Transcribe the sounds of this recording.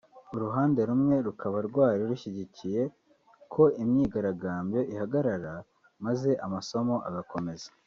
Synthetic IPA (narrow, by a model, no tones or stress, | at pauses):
uɾuɦaːnde̞ɾumŋe̞ɾukʰaβaɾɡwaːɾiɾuçiɟicije̞ | kʰo̞imɲiːɡaɾaɡaːmbjo̞ʔihaɡaɾaɾa | maze̞ʔamaso̞mo̞ʔaɡako̞me̞zḁ